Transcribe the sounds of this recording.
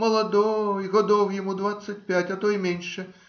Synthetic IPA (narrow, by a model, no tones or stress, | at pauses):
mɐlˠɐd̪ɔjɣɐd̪ɔwjamud̪vat̪sːɐt̚ʲpʲætʲɐt̪ɔjimʲenʲʂɛ